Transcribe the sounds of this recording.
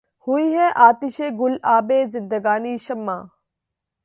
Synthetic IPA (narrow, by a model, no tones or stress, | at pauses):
huiːɦɛːʔaːt̪ɪʃeːɡʊlaːbeːzɪnd̪əɡaːniːʃɐmːã̰ː